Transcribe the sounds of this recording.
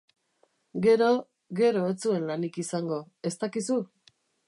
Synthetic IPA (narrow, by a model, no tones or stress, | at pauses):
ɡe̞ɾo̞ | ɡe̞ɾo̞et͡sue̞nlanikisaŋɡo̞ | e̞st̪akisu